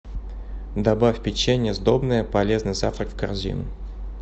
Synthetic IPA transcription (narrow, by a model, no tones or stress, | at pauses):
d̪ɐbafʲpʲɪt͡ɕːenʲɪjəzd̪obnəjəpɐlʲeznɨjza̰ft̪ɾəkfkɐrzʲḭnʊ̰